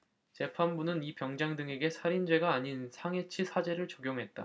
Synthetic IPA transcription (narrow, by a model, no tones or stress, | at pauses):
t͡ɕe̞pʰanbunɯnipjʌŋd͡ʑaŋdɯŋe̞ɡe̞sʰaɾind͡ʑwe̞ɡaːɲinsʰaŋe̞t͡ɕʰisʰad͡ʑe̞ɾɯɭt͡ɕʌɡjoŋɦe̞t̚t͈a̰